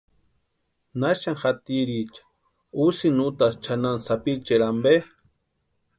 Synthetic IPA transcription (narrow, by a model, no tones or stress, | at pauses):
naʃaŋxat̪iɾit͡ʃḁ | usinut̪ast͡ʃanansapit͡ʃeɾambe